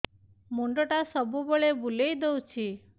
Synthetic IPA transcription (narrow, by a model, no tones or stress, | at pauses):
moɳɖɔʈasɔbubɔɭebulejd̪owt͡ʃʰi